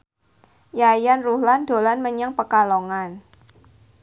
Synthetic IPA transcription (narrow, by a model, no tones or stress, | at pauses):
jajanruhland̥o̤lanməɲaŋpəkaloŋan